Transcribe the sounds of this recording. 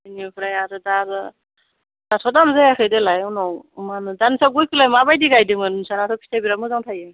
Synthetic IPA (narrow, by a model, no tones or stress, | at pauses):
iniɔpʰɾajazɯdaɾɯ | nasʰɔdamzajakʰɯjdɯlajunɔwmanɯdansaɡujkʰɯlajmabajdiɡajdimɯnnsanatʰɔpʰi̥tajbiɾamɯzaŋtʰaje